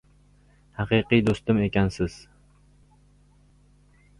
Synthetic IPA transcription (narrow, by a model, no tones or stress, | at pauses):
haqɨjqɨjd̪ost̪ɪmekʲansɪz̥